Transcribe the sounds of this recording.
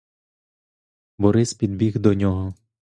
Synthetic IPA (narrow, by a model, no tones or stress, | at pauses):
bɔɾɪspʲid̪̚bʲiɣd̪ɔnʲɔɦɔ